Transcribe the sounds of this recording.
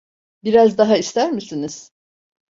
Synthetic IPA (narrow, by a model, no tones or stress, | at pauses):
biɾazd̪aɦaist̪æɾmisiniz̥